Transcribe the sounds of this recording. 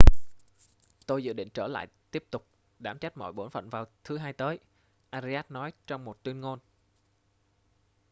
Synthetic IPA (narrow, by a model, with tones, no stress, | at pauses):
t̪o˧jzɨ̰˧˨ɗḭ̈˧˨ŋ̟t͡ɕəː˧˩la̰ː˧˨jt̪i˦˥əp̚t̪ʊ˨˩k͡p̚ | ɗaː˧˩mt͡ɕa˦˥jk̚mɔ̰˧˩jɓo˧˩nfə̰˧˨nvaː˨˩wt̪ʰɨ˨˦ɦaː˧jt̪əː˨˦j | ʔaː˧zi˧aː˦˥t̚nɔ˨˦jt͡ɕɔ˧wŋ͡mmo˨˩t̚t̪wi˧ənŋo˧n